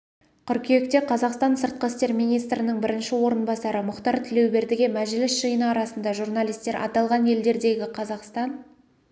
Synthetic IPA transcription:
kʲʰʏɾkʲʰejekt̪e̞qʰɑzɑqst̪ɑnsəɾt̪̚qəst̪e̞ɾmijnijst̪ɾɪnɪŋbɪɾɪnʃɪwo̞ɾənbɑsɑɾəmʊqt̪ɑɾt̪ʰɪle̞wbe̞ɾd̪ɪɡʲe̞mæʒɪlɪsʒɨjənəɑɾɑsənd̪ɑʒurnɑlˠijst̪e̞ɾʔɑ̰t̪ɑlˠʁɑnje̞ld̪e̞ɾd̪e̞ɡʲɪqʰɑzɑqst̪ɑn

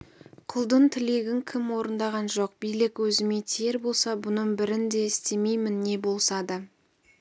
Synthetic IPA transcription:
qʰʊlˠd̪ənt̪ʰɪle̞ɡʲɪŋkʲʰɪmwo̞ɾənd̪ɑʁɑnʒo̞q̚bijlɪkwɵzɪmet̪ʰeɾbo̞lˠsɑbʊnəɴbɪɾɪnd̪e̞ɪst̪e̞me̞jmɪnːe̞bo̞lˠsɑd̪ə

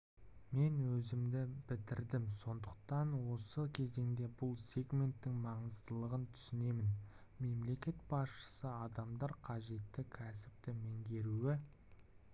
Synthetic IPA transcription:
me̞nwɵzɪmd̪ɪbɪt̪ɪɾd̪ɪmso̞nd̪əq̚t̪ɑnwo̞səkʲʰe̞ze̞ŋd̪e̞bʊlˠsʲe̞ɡmʲe̞nt̪ːɪŋmɑɴəzt̪əlˠəʁənt̪ʰʏ̥sɪne̞mɪn | me̞mle̞kʲe̞t̪̚b̥ɑsʃə̥səɑd̪ɑmd̪ɑɾqʰɑʒe̞t̪ːɪkʲʰæsɪ̥p̚t̪ɪmeŋɡʲe̞ɾuwɪ

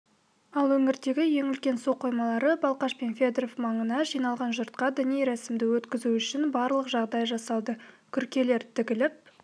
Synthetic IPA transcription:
ɑlˠwɵŋɪɾd̪e̞ɡʲɪje̞ŋʏlkʲe̞nso̞qʰːo̞jmɑlˠɑɾəbɑlˠqɑʃpe̞nfʲed̪rofmɑɴənɑʒijnɑlˠʁɑnʒʊɾt̪̚qɑd̪ɪniejɾæsɪmd̪ɪwɵt̪kʲɪzuʏʃɪnbɑɾlˠəqʒɑʁd̪ɑjʒɑsɑlˠd̪ə | kʲʰʏɾkʲe̞le̞ɾt̪ʰɪkʲɪlɪp̚

